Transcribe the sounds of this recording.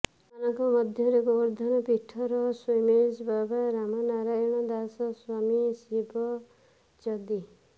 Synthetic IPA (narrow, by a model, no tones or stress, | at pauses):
anɔŋkɔmɔd̪ʱjɔɾeɡɔbɔɾd̪ʱanɔpiʈʰːɔɾɔsɔmed͡ʒbabaɾamɔnaɾajɔɽ̃ɔd̪asɔswamisibʱɔ | t͡ʃɔd̪i